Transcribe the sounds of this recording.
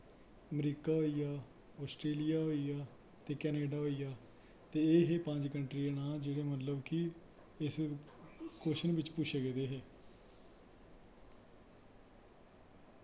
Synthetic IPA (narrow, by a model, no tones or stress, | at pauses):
əmɾiːkaːɦoːiːjaːɔːsʈɾeːlijaːɦoːiːaːt̪eːkɛːneːɖaːɦoːiːjaː | t̪eːeːɦeːpə̃ɲd͡ʒkəɳʈɾiːenaːld͡ʒeɽeːmət̪̬ləbkɪɪs | koːʃənʋɪt͡ʃpʊʃəɡeːd̪eːɦeː